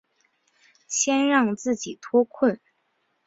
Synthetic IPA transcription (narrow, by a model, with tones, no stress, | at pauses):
ɕjɛ˥nɻɑ˥˧ŋt͡sɹ̩˥˩t͡ɕi˨˩t̪ʰwɔ˥kʰwə˥˩n